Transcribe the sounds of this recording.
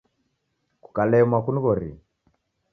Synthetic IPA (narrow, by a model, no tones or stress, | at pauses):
ku̥kalɛmwakunuβɔɾḭ